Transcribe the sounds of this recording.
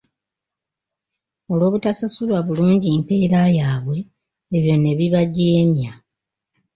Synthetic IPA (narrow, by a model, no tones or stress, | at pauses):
o̞lo̞ːβutasasulwaβuluːɲɟimpe̞ːɾajaːβwe̞ː | βjo̞nːe̞βiβaɟeːmja